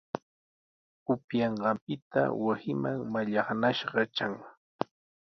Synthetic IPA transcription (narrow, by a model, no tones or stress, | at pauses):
ʊpjɑɴɢɑmpɪt̪a̰wasɪmaŋmaʎɑχnaʃɢɑt͡ʃaŋ